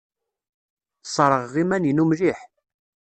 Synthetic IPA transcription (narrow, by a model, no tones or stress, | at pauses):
sˤɾˤəʁːimænjinumliħ